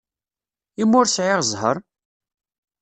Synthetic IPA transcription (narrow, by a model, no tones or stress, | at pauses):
imːʊɾsʕɪʁzˤɦə̰ɾˤ